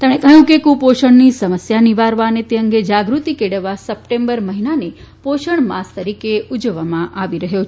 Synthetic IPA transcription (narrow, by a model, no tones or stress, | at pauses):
t̪emɽ̃ekəɦjũkekũpoʃəɳnisəməsjaniʋaɾʋanet̪eəŋɡed͡ʒaɡɾut̪ikeɽəʋasəp̚ʈẽmbəɾməɦinane | poʃəɳmast̪əɾikeud͡ʒəʋamãʔaʋiɾəɦjot͡ʃʰ